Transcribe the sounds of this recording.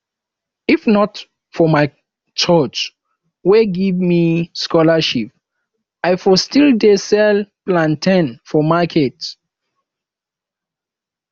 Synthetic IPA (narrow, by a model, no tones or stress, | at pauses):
ifnɔt | fɔmaɪ | t͡ʃɔt͡ʃ | weɡivmiskɔlaʃip̚ | ajfɔstildesɛlplãntʰɛ̃nfɔmakʰɛt